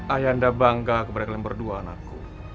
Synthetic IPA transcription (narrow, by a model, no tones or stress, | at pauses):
ʔajandabaŋɡakəpadakalɛmbərduaːna̰kːṵ